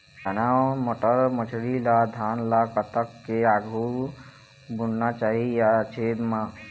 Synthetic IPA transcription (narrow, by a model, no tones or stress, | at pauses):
d͡ʒənawmoʈəɾmət͡ʃʰɽilad̪ʱanlakət̪əkːeaɡʱu | bunɖnat͡ʃaɦijat͡ʃʰed̪mã